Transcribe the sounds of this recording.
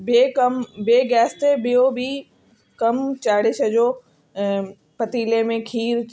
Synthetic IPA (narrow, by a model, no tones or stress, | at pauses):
beːkɐmbeːɡɛːst̪ebɪjobi | kɐmt͡ɕaːɽɪʃəd͡ʑoː | pɐt̪iːlemẽkʰiːɾ